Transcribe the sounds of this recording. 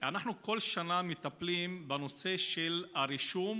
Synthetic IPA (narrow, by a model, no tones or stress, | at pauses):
anaχnuko̞lʃanamit̪aplimbano̞se̞ʃelaʁiʃum